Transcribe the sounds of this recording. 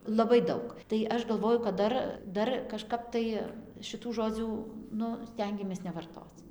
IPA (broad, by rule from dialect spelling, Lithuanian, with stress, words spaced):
lˠɐˈbɐɪ ˈdɐʊk tɐɪ ˈɐʃ ɡɐlˠˈʋoːjʊ kɐt ˈdɐr ˈdɐr kɐʃˈkɐp tɐɪ ʃʲɪˈtuː ˈʒoːd͡zʲuː ˈnʊ ˈsʲtʲɛŋʲɡʲɛmʲeːs nʲɛʋɐrˈtoːt͡s